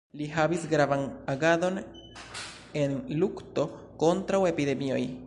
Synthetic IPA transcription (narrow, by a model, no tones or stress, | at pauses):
liɦabisɡɾavanaɡado̞n | e̞nlukto̞ | ko̞ntɾawe̞pide̞mio̞j